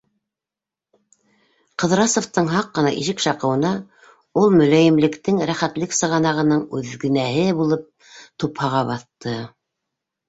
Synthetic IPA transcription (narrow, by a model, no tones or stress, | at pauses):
qɤ̆ðɾɑsŏft̪ɤɴɦɑqːɤ̆nɑʔiʃɘkʃɑqɤ̆wɤ̆nɑ | ulˠmɵ̆læjɘ̆mlɘ̆kt̪ɘŋɾæχæt̪lɘksɤ̆ʁɑnɑʁɤ̆nɤɴʉðɡɘ̆næɦɘbulˠɤp̚ | t̪uphɑʁɑβɑθt̪ɤ